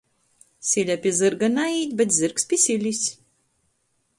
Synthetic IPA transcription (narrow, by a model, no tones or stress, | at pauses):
sʲilʲapʲiɛzɨɾɡanaiːt̪ʲbʲɛt̪zɨɾkspʲiɛsʲilʲisʲ